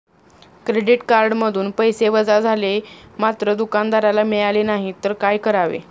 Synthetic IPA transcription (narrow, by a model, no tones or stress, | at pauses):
kɾeɖiʈkaɾɖməd̪ʱuːnpəjseʋəd͡zad͡zʱalemat̪ɾəd̪ukand̪aɾalamiɭalenaɦit̪əɾkajkəɾaʋḛ